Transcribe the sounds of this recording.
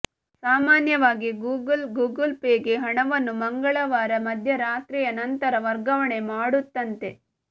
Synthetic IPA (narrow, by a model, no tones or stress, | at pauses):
saːmaːnjɐʋaːɡiɡuːɡɐlɡuːɡɐlpeːɡeɦɐɳɐʋɐnːumɐŋɡɐɭɐʋaːɾɐmɐd̪ʱjɐɾaːt̪ɾiːjɐnɐnt̪ɐɾɐʋɐɾɡɐʋɐɳe̞maːɽut̪ːɐnt̪e̞